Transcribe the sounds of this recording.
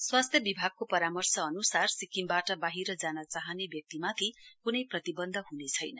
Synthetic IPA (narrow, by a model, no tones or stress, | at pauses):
swast̪ʰjʌbibʱaɡ̚kopʌɾamʌrsʌːnusarsikimbaʈʌbaɦiɾʌd͡zanʌt͡saɦʌnebjʌk̚t̪imat̪ʰikunʌjprʌt̪ibʌnd̪ʱʌɦunet͡sʰʌjnʌ